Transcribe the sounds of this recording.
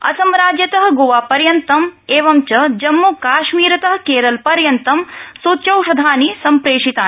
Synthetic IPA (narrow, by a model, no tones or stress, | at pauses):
ɐ̰sɐmɾaːd͡ʒjɐt̪ɐɦɐ̆ɡoːʋaːpɐɾjɐnt̪ɐmeːʋɐmt͡ʃɐd͡ʒɐmːukaːʃmiːɾɐt̪ɐɦɐ̆keːɾɐlpɐɾjɐnt̪ɐmsoːt͡ʃɐwʃɐd̪ʱaːnisɐmpɾeːʂit̪aː